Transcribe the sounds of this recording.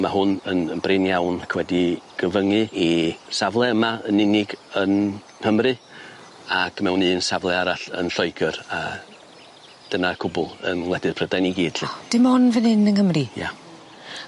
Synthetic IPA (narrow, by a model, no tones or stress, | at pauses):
maɦʊnənənbrɪnjawnakʰwɛdiɡ̥əvəŋɨisavlˠɛəmaənɪnɪɡən | həmrɨ | akʰmɛwnɨːnsavlˠɛaɾaɬə̰nɬɔɨɡəraə | d̥ənakʰʊbʊlˠə̰nwlˠɛdɨr̥pʰrədajniɡiːd̥ɬɨd̥ɪmhʊnvənɪnənhəmrija̰